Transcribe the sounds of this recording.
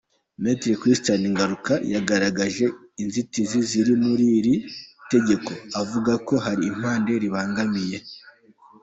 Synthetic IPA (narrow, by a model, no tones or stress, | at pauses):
metɾekɾistaniŋɡaɾukajaɡaɾaɡaʒe̞inzitiziziɾimuɾiɾite̞ɟe̞ko̞avuɡako̞ɦaɾiːm̥haːnde̞ɾiβaːŋɡamije̞